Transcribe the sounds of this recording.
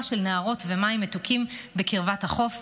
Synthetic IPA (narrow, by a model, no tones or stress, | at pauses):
ʃelneaʁo̞tvemaimːetukʰimbekiʁvathaχo̞f